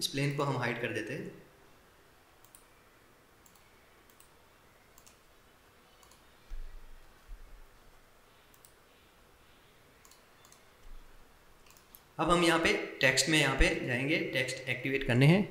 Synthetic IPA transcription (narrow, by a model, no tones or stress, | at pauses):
spleːnkoɦɐ̃mɦaːɪɖkɐɾd̪eːt̪eɦɛ̃ː | ɐbɦɐmjɐɦãpeʈeːksʈmẽjɐɦãped͡ʒaːẽŋɡeʈeːksʈɛːk̚ʈiʋeːʈkɐɾneɦɛ̃ː